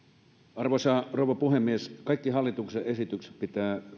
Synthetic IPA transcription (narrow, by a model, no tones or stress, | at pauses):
ɑrʋosɑːroˑuʋˑɑpuhemːieskɑikːihɑlːit̪ukseʔesit̪ykse̥t̪̚pit̪æː